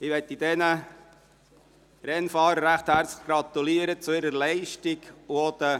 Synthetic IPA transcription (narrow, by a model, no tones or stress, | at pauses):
ɪʋɛt̪ːid̥̪ɛnə | ɾɛnfɑːɾəɾːæχt̪hæːɾt͡sɡ̥ɾɑt̪uliəɾət͡sʊɪɾəɾlɛɪʃtikuod̪̥ə